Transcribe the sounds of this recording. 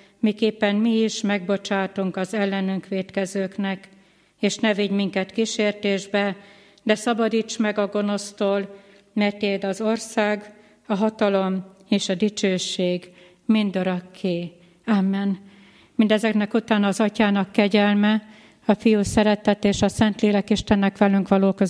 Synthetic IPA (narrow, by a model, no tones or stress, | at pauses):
mikeːpːɛmmiiʃmɛɡbo̞t͡ʃaːt̪uŋkɒzɛlːɛnyŋkʋeːt̪kɛzøːknɛk | eːʃnɛviɟmiŋkɛt̪kiʃeːrt̪eːʒbɛ | d̪ɛsɒbɒd̪iːt͡ʃmɛɡɒɡo̞no̞st̪oːl | mɛrt̪eːd̪ɒzo̞rsaːɡ | ɒɦɒt̪ɒlo̞meːʃɒd̪it͡ʃøːʃeːɡ | mind̪oɾɒkʰːeː | amːɛn | mind̪ɛzɛknɛkut̪aːnːɒːzɒcaːnɒkːɛɟɛlmɛ | ɒfijuːsɛɾɛt̪ɛt̪eːʃɒsɛnt̪leːlɛkiʃt̪ɛnːɛkʋɛlyŋkʋɒloːkøz